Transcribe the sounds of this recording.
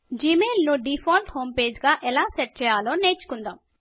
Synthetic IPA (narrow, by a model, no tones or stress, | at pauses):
d͡ʒiːmeːlnuɖipʰaːlʈhoːmpeːd͡ʒɡaːʔɛlaːsɛʈ̚t͡ʃɛːjaːloːneːt͡ʃu̥kund̪aːm